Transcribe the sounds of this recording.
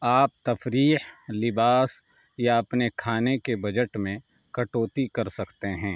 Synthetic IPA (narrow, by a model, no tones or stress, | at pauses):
aːp̚t̪ɐfɾiːhlɪbaːs | jaɐpnekʰaːnekebɐd͡ʒəʈmẽ | kɐʈoːt̪ikɐɾsɐkt̪eɦɛ̃ː